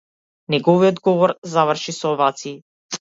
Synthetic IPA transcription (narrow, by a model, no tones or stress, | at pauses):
nɛɡɔviɔd̪ɡɔvɔɾzavr̩ʃisɔːvat̪siː